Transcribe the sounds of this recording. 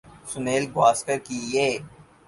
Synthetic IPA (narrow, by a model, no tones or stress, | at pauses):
sʊneːlɡwaːskəɾkijeː